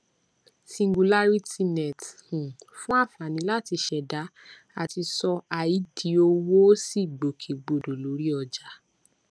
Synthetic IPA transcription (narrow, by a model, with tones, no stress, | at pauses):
sĩ˧ŋɡu˨la˦ɾi˦ti˧nɛ˨thũ˨ | fũ˦a˦˨fa˨nĩ˨˦la˦˨ti˧ʃɛ˨da˨˦ | a˦˨ti˧sɔ˧a˨ji˨˦di˨˦o˧wo˦si˦˨ɡ͡bo˨kʰe˨ɡ͡bo˨do˨lo˨˦ɾi˦ɔ˧d͡ʒa˧˦